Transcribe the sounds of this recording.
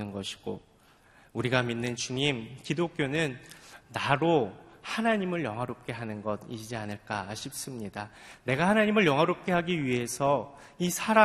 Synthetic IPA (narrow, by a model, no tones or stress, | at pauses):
ɯnɡʌɕʰi̥ɡ̥o̰ | uɾiɡaminːɯnt͡ɕuŋimkidok͈jonɯnːaɾohanaɲimɯɭjʌŋɦaɾop̚k͈e̞ɦanɯnɡʌdid͡ʑianɯɭk͈aːɕʰip̚s͈ɯmɲidane̞ɡahanaɲimɯɭjʌŋɦaɾop̚k͈e̞ɦaɡiɥiɦe̞sʰʌ | isʰaɾa